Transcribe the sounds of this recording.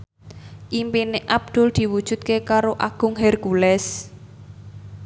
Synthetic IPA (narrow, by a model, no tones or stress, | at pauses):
ʔimpineʔab̚d̪̥ʊ̤ld̪̥i̤wud̥ʒ̥ṳt̪̚kekaɾoʔaɡ̥ʊŋɦɛrkulɛs